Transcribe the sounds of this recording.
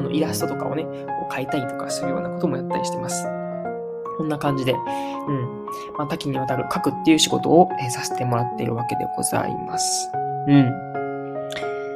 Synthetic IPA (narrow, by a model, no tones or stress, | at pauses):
ano̞̰ʔiɾaɕi̥t̪ot̪o̞ka̰o̞̰ne̞ | ko̞̰ːkait̪ait̪o̞̥kasɨɾɯ̟jo̞̰ːnako̞t̪o̞mo̞jat̪ːaɾʲiɕi̥t̪e̞masɨ̥ | kõnːakãɲ̟d͡ʑid̪e̞ | ɯ̟̃ɴ | mat̪akʲiɲ̟iβ̞at̪aɾɯ̟kakɯ̟t̪ːe̞jɯ̟ːɕiɡo̞̰t̪o̞̰ːesase̥t̪e̞mo̞ɾat̪ːe̞̰ɾɯ̟βake̞d̪e̞̰ɡ̥o̞̰z̥a̰ḭmasɨ̥ɯ̟̃ɴ